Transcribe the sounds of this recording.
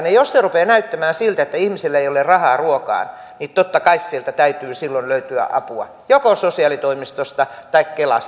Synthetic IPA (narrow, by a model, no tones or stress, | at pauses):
nejosserupeːnæyt̪ːæmæːsilt̪æet̪ːæihmiselːæeiolerrɑhɑːruokɑ̰ːn | nitt̪ot̪ːɑkɑissielt̪æt̪æyt̪yːsilːonløyt̪yæ̰ʔɑ̰puɑ̰ | jokososiɑlit̪oimist̪ost̪ɑt̪ɑikkelɑ̰s